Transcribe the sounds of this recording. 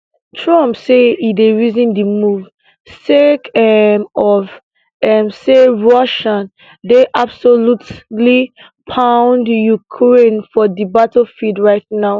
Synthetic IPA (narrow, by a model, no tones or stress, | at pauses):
tʰɹɔ̃mpseideɹizĩndimuv | sekɛmɔv | ɛmseɹɔʃãn | deʔab̥solutli | pʰãʊ̃ndjukʰɹẽnfɔdibatlfidɹaɪt̚naʊ